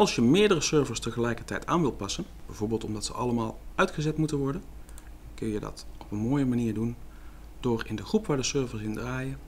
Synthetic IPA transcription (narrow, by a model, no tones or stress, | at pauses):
ɑlˠsjəmɪːɹdərəsøɹvəɹstəχəlɛjkəɹtɛjtaːnʋɪlˠt̚pɑsən | bɛjvoːɹbɪːlˠtɔmdɑtsə̰ʔɑləmaːlˠœɥtχəzɛtmutənʋɔɹdən | kɵnjədɑ̰tɔpənmoːjəmaniːɹdun | dʊːɹɪ̰ndəχrupʋaːɹdəsøːɹvəɹsɪndraːjə